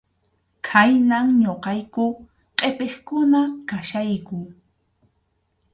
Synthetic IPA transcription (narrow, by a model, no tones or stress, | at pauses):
kʰajnaŋɲoqɑjkʊ | qʼepeχkʊnakaʃajkʊ